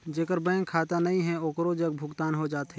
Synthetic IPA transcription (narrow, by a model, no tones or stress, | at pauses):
d͡ʒeːkəɾbɛ̃ːŋkʰaːt̪anɐɦĩɦɛ̃oːkɾod͡ʒɐɡ̚bʱʊɡt̪aːnɦod͡ʒaːt̪ɦɛ